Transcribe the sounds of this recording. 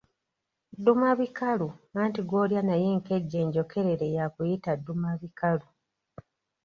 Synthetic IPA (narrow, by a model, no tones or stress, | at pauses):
dːumaβikalumaːntiɡo̞ːljanajeŋke̞ɟːe̞ːɲɟo̞kʰe̞ɾe̞ɾe̞jakujitadːumaβikalu